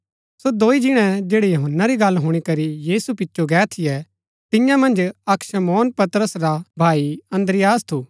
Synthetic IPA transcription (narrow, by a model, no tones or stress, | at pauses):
sod̪oːid͡ʒɪɽ̃ɛ̃d͡ʒeːɽejoɦənːaɾiɡɐlɦʊːɽ̃ikɐɾijiːsupɪtːʃoɡɛːt̪ʰijɛ | t̪ɪ̃jãmɐ̃nd͡ʒɐkʃɐmɔːnpɐt̪ɾəsɾabʱaːiɐ̃nd̪ɾɪjaːst̪ʰuː